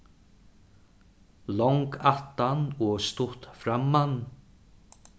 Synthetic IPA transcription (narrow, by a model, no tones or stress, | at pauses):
lɔŋkaht̪anɔɣst̪ʊht̪fɾamːan